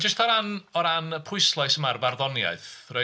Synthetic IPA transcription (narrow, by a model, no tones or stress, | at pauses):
d͡ʒəstʰaɾanɔɾanəpʰʊɨslˠajsəmarbarðɔnja̰ɨθre